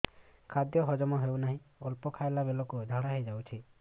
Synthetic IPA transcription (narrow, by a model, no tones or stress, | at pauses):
kʰad̪jɔɦɔd͡ʒɔmɔɦewnaɦĩɔlpɔkʰaelabelokud͡ʒʱaɽaɦejd͡ʒawt͡ʃʰi